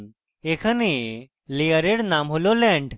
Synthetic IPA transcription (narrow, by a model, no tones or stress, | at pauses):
ekʰəne | liəɾeɽnamɦololɛ̃ɳɖ